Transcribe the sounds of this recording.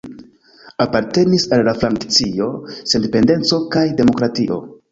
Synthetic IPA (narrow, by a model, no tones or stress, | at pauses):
apaɾte̞nisalːafɾaŋkt͡sio̞sendepe̞nde̞nt͡so̞kajde̞mo̞kɾatiʔo̞̰